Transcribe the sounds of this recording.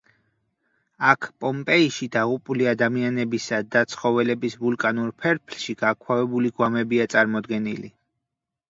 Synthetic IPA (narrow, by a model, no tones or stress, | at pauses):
akʰpʼɔmpʼɛiʃid̪aʁupʼuliad̪amianɛbisad̪at̪sʰχɔvɛlɛbisvulkʼanuɾpʰɛɾpʰlʃiɡ̥akʰwavɛbuliɡwamɛbiat̪sʼaɾmɔd̪ɡɛnili